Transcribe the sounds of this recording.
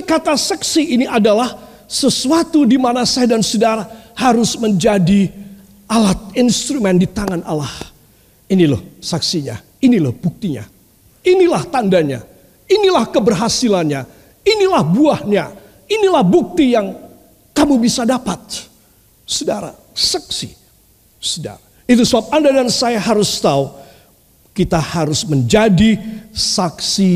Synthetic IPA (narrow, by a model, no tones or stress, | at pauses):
kat̪asɛksiiniʔadalah | səsuat̪udimanasadansudaɾahaɾʊsməɲd͡ʒadi | alat̪̚inst̪ɾumɛndit̪aŋana̰lah | inilo̰hsaksiɲa̰ | inilahbuk̚t̪iɲa̰ | inilaht̪andaɲa̰ | inilahkəbərɦasilanɲa | inilahbuahɲa | inilahbuk̚t̪ijaŋ | kamubisadapat̪̚ | sudaɾa̰ | saksḭ | suda̰ɾa | it̪̬usəbap̚andadansajaɦaɾʊst̪au | kit̪ahaɾʊsməɲd͡ʒadisaksi